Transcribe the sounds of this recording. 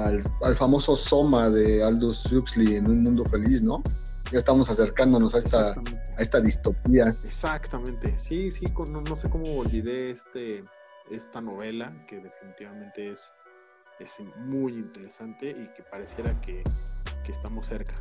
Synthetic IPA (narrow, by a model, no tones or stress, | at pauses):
alalfamo̞so̞so̞maðe̞ald̪usukslienũnmũnd̪o̞fe̞lisno̞ | ɟaest̪aβamo̞sase̞ɾkand̪o̞nosaest̪aː | e̞st̪aðist̪o̞piaesakt̪amẽnt̪esisikonono̞se̞ko̞moːlβiðe̞est̪e | est̪ano̞βe̞lakeðe̞finit̪iβamẽnt̪e̞es | esmujint̪e̞ɾesant̪e̞ʔikepaɾe̞sjeɾakekeːst̪amosːe̞ɾkḁ